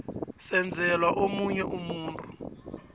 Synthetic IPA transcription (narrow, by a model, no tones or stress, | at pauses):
sɛnd͡zʱɛlwaʔomuɲɛʔumuːntʰʼu̥